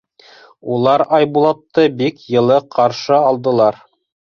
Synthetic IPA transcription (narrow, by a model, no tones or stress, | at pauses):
ulˠɑɾɑjbulˠot̪ːɤbikjɤ̆lˠɤqʰɑɾʃɤɑlˠd̪ɤ̆lˠɑɾ